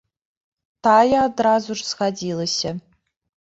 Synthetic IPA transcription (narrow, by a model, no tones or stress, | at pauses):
tʰaːjaːdraːzuʐz̥xadiːlɐsɐ